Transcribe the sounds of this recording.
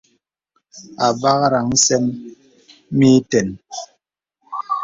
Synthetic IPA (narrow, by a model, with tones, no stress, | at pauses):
a˨ba˦ɣa˦ɾa˨ŋ̩˦sɛ˦ŋ | mi˦tɛ˨n